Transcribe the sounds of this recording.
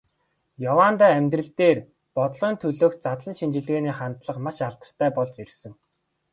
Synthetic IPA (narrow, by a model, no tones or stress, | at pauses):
jɔwaːnt̪aːæmʲt̪rɘ̆ɬt̪eːr | pɔt̪̆ɮɞ̆ːnt̪ʰɵɮoːk̪̚t͡sat̪ɮə̆nʃint͡ɕɪ̆ɮɣeːniːχant̪ɮə̆qmaʃaɮt̪ə̆r̥t̪ʰæːpɔɮt͡ɕersɘ̆ŋ